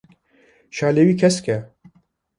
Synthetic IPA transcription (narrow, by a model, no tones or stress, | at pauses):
ʃaːleːwiːkʰɛskɛ